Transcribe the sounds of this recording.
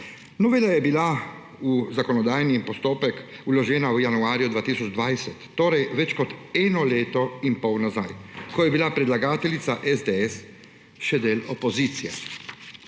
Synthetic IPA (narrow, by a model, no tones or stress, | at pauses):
nɔʋɛlajɛbila | uzakɔnɔd̪aːjnipɔst̪oːpɛkulɔʒɛːnawjanuaːɾjud̪ʋaːt̪iːsɔd͡ʒd̪ʋajsɛt̪ːoːɾɛjʋɛt͡ʃkɔt̪ɛːnɔleːt̪ɔinpɔwnazajkɔjɛbilapɾɛd̪laɡaːt̪ɛlit̪saʔɛzd̪eɛs | ʃɛd̪eːlɔpɔziːt̪sijɛ̰